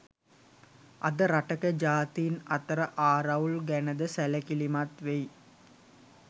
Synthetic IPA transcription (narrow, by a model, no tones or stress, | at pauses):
ʔɐd̪ɐɾɐʈɐkɐd͡ʒaːt̪ijːnɐt̪ɐɾɐʔaːɾɐʋlɡænɐd̪ɐsælɐkilimat̪ʋej